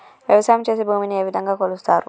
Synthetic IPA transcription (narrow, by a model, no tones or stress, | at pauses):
ʋjɐʋɐsaːjɐmt͡ʃe̞ːs̬ebʱuːminieːʋid̪ʱɐŋɡaːkoːlust̪aːɾu